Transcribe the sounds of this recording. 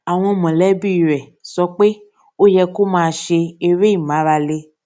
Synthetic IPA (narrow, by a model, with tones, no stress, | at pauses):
a˨w̃ɔ̃˧mɔ̃˨lɛ˦bi˦˨ɾɛ˨sɔ˧˦k͡pe˦ | o˦jɛ˧ko˦mãː˧ʃe˧e˧ɾe˦i˦˨mã˨˦ɾa˧le˧